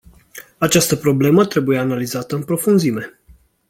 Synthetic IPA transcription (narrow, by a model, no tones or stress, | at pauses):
at͡ʃast̪əpɾo̞ble̞mət̪ɾe̞buje̞analizat̪əɨmpɾo̞funzime̞